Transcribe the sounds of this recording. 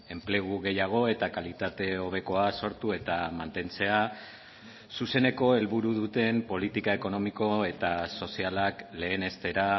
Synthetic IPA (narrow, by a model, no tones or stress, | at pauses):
e̞mple̞ɣ̞uɣe̞jaɣ̞o̞e̞t̪akalit̪at̪e̞o̞β̞e̞ko̞aso̞ɾt̪ue̞t̪amant̪e̞nt͡se̞a | suse̞ne̞ko̞e̞lβuɾuðut̪e̞mpo̞lit̪ikae̞ko̞no̞miko̞e̞t̪aso̞sialakle̞ːne̞st̪e̞ɾa